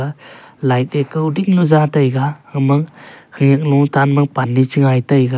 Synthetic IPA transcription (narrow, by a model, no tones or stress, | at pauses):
a | lajt̚ekːɯudik̚nuzatajɡaɯmɯŋkʰɯŋɯk̚nutʰanmɯŋpanːit͡ʃɯŋajtajɡa